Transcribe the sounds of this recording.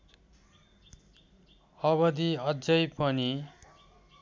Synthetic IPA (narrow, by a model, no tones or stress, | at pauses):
ʌβʌd̪iʌd͡zʌjpʌni